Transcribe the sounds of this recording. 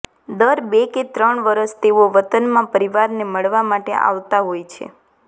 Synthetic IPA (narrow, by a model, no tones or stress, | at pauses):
d̪əɾbeket̪ɾəɳʋəɾəst̪eʋoʋət̪ənmãpəɾiʋaɾneməɭʋamaʈḛʔa̰ʋt̪aɦojt͡ʃʰḛ